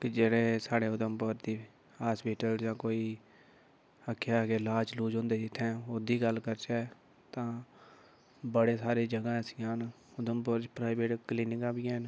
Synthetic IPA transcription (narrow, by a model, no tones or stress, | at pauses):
kɪd͡ʒeːɽeːsaːɽeːʊd̪əmpʊɾd̪iː | haːspiːʈəld͡ʒãːkoːiː | əkʰːjaːkeːlaːt͡ʃluːd͡ʒõːnd̪eːd͡ʒɪt̪ʰːɛ̃ːod̪iːɡəlkəɾt͡ʃɛː | t̪ãː | bəɽeːsaːɾeːd͡ʒəɡãːsɪjãːn | ʊd̪əmpʊɾt͡ʃpɾaːɪbeːʈkliːnɪkãːbiːɛːn